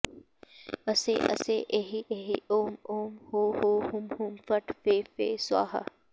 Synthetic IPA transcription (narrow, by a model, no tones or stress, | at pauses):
ɐsḛʔɐ̰seʔeɦiʔeɦiʔoːmoːmhoːhoːhʊmhʊmfɐʈfeːfeːswa̰ːɦɐ̰